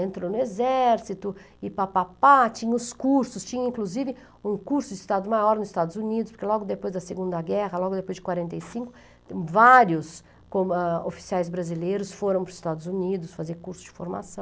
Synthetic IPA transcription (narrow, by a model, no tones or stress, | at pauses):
ẽnt̪ɾonʊezɛɾsit̪ʊ | ɪpapapat͡ʃĩɲɐ̃ʊskuɾsʊst͡ʃĩɲɐ̃ĩkluzivɪ | ũkuɾsʊd͡ʒɪist̪ad̪ʊmajɔɾnʊzɪst̪ad̪ʊzunid̪ʊspoɾkelɔɡʊd̪epojzd̪ɐseɡũnd̪ɐɡɛɦɐlɔɡʊd̪epojzd͡ʒɪkwaɾẽnt̪ejsĩkʊ̥ | vaɾjʊs | kõo̰fi̥siajzbɾazilejɾʊsfoɾɐ̃w̃pɾʊzist̪ad̪ʊzunid̪ʊsfazeɾkuɾsʊ̥zd͡ʒɪfo̰ɾma̰sɐ̃w̃